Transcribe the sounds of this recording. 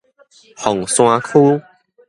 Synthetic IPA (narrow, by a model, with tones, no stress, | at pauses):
hɔ˨˩ŋsw̃ã˧kʰu˦